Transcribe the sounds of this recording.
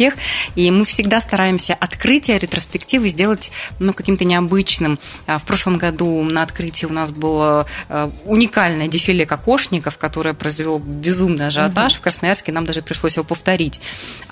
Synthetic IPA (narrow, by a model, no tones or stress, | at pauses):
eximɨfsʲɪɡd̪ast̪ɐɾajɪmsʲəʔɐt̪kɾɨtʲɪjəɾʲɪt̪ɾəspʲɪktʲivɨzʲdʲe̞lˠətʲnukɐkʲimt̪ənʲɪɐbɨt͡ɕnɨm | fpɾo̞ʂlˠəmɡɐd̪unəɐt̪kɾɨtʲɪjəʊnas̬bɨlˠə | ʊnʲɪkalʲnəjədʲɪfʲɪlʲekɐko̞ʂnʲɪkəfkɐt̪o̞ɾəjəpɾəzvʲɪlˠobʲɪzumnɨjɐʐɨɐt̪aʂfkɾəsnɐjarskʲɪnamd̪aʐɨpɾʲɪʂlˠosʲjvʲopəft̪ɐɾʲitʲ